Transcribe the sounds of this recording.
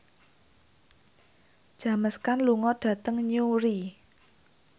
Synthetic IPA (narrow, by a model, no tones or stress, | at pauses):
d̥ʒ̥a̤məskanluŋɔd̥ä̤t̪əŋɲuɾi